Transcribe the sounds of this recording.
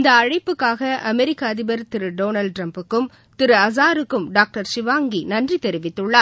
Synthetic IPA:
ɪnd̪ɐːɐɻɐɪpːɯkːaːɣɐʔɐmɛɾɪkːaːðɪbɐɾt̪ɪɾɯɖoːnɐlɖ̚ʈɾɐmpɯkːɯm | t̪ɪɾɯɐzaːɾɯkːɯmɖaːk̚ʈɐɾsɪʋaːŋɡinɐndrit̪ɛɾɪʋɪt̪ːɯɭːaː

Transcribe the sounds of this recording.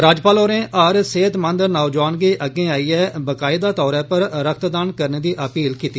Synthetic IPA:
ɾaːd͡ʒpaːloːnẽːʔəɾseːt̪mə̃nd̪əɾnaːd͡ʒaːnɡiːʔəɡẽːaːiːɛːbəkaːɪd̪aːt̪ɔːɾɛːpəɾɾək̚ʰt̪d̪aːnkəɾneːd̪iːʔəpiːlkiːt̪ːiː

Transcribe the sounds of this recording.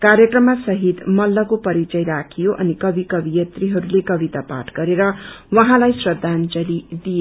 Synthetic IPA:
karjʌkrʌmːasʌɦit̪mʌlːʌkopʌɾit͡sʌjɾakʰijoʔʌ̰nikʌbikʌbijʌt̪riɦʌɾulekʌbit̪apa̰ʈʰɡʌɾeɾʌwʌɦãlajsrwʌd̪ʱːant͡sʌlid̪ije

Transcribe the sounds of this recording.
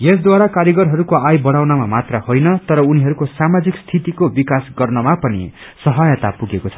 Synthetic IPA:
jesd̪waɾakaɾjʌɡʌɾɦʌɾukoajbʌɽawnamamat̪rʌhojnʌt̪ʌɾʌuniɦʌɾukosamad͡zikst̪ʰit̪ikobikasɡʌrnʌmapʌnḭ | sʌɦʌjʌt̪apuɡekot͡sʰʌ̥

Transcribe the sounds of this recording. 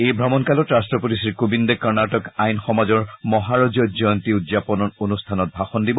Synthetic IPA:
ejbʱɹɔmɔnkalɔtɹastɹɔpotisiɹkobindekɔɹnaʈɔkajnxɔmazɔɹmɔɦaɹɔd͡ʒɔd͡ʒɔjɔntiudzapɔnɔnonustʰanɔt̚bʱaxɔndibɔ

